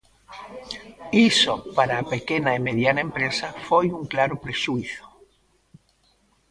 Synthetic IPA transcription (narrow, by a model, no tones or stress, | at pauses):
isopaɾapekenaimeðjanaempɾesafojuŋklaɾopɾeʃuiθo̥